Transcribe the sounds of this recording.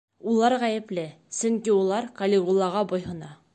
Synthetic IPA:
ulˠɑɾʁæjɘ̆plɘ | sɵŋkiulˠɑɾkɐlʲɪʁulˠːɑʁɑbojɦɤ̆nɑ

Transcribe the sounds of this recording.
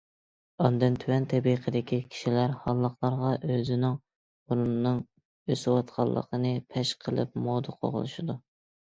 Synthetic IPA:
ɑnd̪ɨnt̪ʰywɛnt̪ʰɛbiqʰəd̪ɪkʲikʲʰi̥ʃilæɾhɑlˠːəχlˠɑɾʁɑʔøzɪnɪŋ | uɾunːɨŋ | øsɪwɑt̪qʰɑ̰lˠːə̰qʰənɨpʰɛʃqʰəlˠɨ̰p̚mod̪ɨqʰo̰ʁə̰lˠɨ̰ʃɨd̪u

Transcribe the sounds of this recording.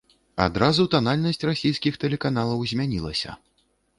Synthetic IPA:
a̰d̪ɾazut̪analʲnɐsʲt͡sʲrasʲijskʲixt̪ɛlʲɛkanalˠɐwzʲmʲanʲilˠɐ̰sʲɐ̰

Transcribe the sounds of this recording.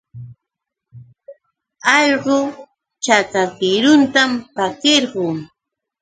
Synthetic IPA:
ɑʎɢʊ | t͡ʃakakɪɾʊnt̪ampakeɾɢʊː

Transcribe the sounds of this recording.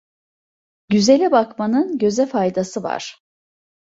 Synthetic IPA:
ɟyzelʲɛbakmanɯnɟø̞zɛfajd̪asɯva̰ɾ̥

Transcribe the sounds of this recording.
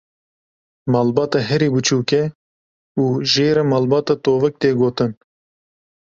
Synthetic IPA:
mɑːlbɑːt̪ɑɦɛɾiːbɨt͡ʃʰuːkɛ | uːʒeːɾɛmɑːlbɑːt̪ɑːt̪oːvɛk̚t̪eːɡoːt̪ɨn

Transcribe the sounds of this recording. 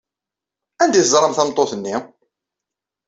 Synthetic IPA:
ænd̪iθəzˤɾˤəmθæmt̪ˤːoθənːi

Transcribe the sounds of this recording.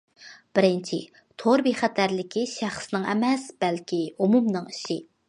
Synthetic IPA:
b̥ɪɾɪnt͡ʃʰḭ | t̪ʰoɾbiχæt̪ʰæɾlɪkʲʰiʃæχsnɨŋɛ̰mɛsb̥ɛlkʲiumumnɨŋi̥ʃɪ

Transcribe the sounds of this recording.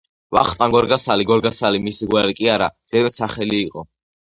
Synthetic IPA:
va̰χt̪ʼaŋɡɔɾɡasaliɡɔɾɡasalimisiɡwɛɾikʼiaɾad̪zɛɾɛt̪saχɛliːqʼɔ

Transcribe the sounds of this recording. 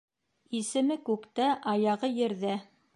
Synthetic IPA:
isɘ̆mɘkʉkt̪æʔɑjɑʁɤjɘ̆ɾðæ

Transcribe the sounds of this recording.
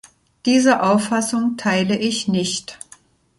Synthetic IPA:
d̥iːzəʔaʊfːasʊŋtʰaɪləʔɪçnɪçt

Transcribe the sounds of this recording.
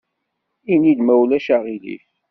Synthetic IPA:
inid̪mæwlæʃaʁilḭf

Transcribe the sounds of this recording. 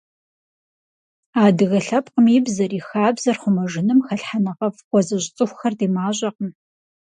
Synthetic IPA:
aːdɨɣɐɬɐpqəmiːbzɐriːxaːbzɐrχʷʊmɐʒɪnɨmxɐɬħanɐʁɐfqʷɔzɐʑʼt͡sʼɨxʷxɐrdeːmaːʑʷʼɐqəm

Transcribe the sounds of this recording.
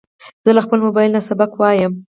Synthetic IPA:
z̥əlaxpəlmʊbɑjɪlnasabakwɑjəm

